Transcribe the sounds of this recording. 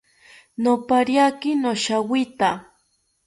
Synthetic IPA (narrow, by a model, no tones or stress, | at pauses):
nopaɾjakɪnoʃawɪt̪a